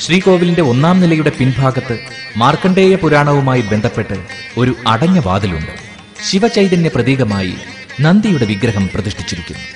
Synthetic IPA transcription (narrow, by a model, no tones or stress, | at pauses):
ɕriːko̞ːʋilinde̞o̞nːaːmnilɐjuɽe̞pinbʱaːɡɐt̪ːɨ | maːrkɐɳɖe̞ːjɐpuɾaːɳɐʋumaːjibe̞nd̪ʱɐpːe̞ʈːɨ | o̞ɾuɐɽɐɲːɐʋa̰ːd̪ilṵɳɖɨ̰ | ɕiʋɐt͡ɕɐjðɐnde̞prɐðiːɡɐmaːjḭ | nɐnd̪ijuɽe̞ʋiɡɾɐɦɐmprɐðiʂʈʰi̥t͡ɕːiɾikʲːṵnːu